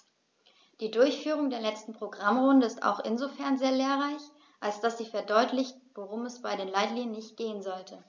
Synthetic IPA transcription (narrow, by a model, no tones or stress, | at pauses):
d̥iːdʊɐçfyːʁ̞ʊŋdeːɐlɛt͡stn̩pʁ̥oɡʁamʁʊndəɪsta̰ʊxʔɪ̰nzofɛɐnzeːɐleːɐʁaɪç | ʔalsd̥asz̥iːfɛɐdɔʏtlɪçtv̥oʁʊmɛsb̥aɪdeːnlaɪtliːŋənːɪçt̚ɡ̥eːənzɔltʰə